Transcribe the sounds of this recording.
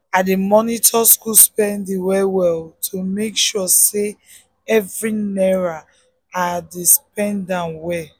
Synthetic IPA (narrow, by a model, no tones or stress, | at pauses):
ademɔnitʰɔskuspɛ̃ndewɛwɛltʰomekʃɔse | ɛvɹinɛɹa | adisp̚ɛ̃ndãnwɛ